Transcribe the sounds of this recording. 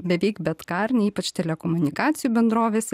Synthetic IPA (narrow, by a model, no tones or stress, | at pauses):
bʲɛʋʲɛɪkbʲɛt̪kɐɾʲnʲɛiːpɐt͡ʃt̪ʲɛlʲɛkoːmʊnʲɪkɑːt̪sʲɪjuːbʲɛnd̪ɾoːʋʲeːsʲ